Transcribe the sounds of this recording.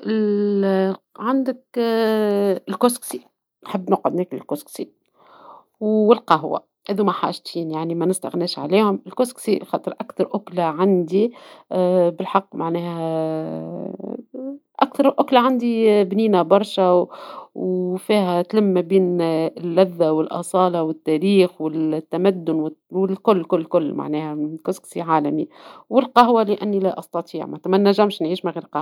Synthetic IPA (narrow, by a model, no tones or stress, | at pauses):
ʔɪl | ʕand̪ək | ɪlkosksi | nħabːnʊqɪd̪nɛːklɪlkosksi | wɪlqɑɦwa̰ | æðumæħa̰ːʒt̪iːnjaʕnimænɪst̪a̰ɣnɛːʃʕa̰liːhʊmɪlkosksixɑːt̪ˤɨɾʔakθɑɾˤʔʊklaʕand̪i | bɪlħɑqːmaʕnɛːhæ | ʔakθɑɾˤʔʊklaʕand̪ibniːnæbɑɾˤʃawfiːɦæt̪lɪmːæbiːnlːæðːawɪlʔɑ̰sˤɑːlɑwɪt̪ːæɾiːxwɪlt̪ːæmæd̪ːʊnwɪwɪlkʊlːkʊlːkʊlːma̰ʕnɛːhækʊsksiʕaːlæmiwɪlqɑɦwalɪʔænːilæʔɑst̪ɑt̪ˤiːʕmat̪ːæmænːæʒːæmʃnʕiːʃmæɣiːɾqɑ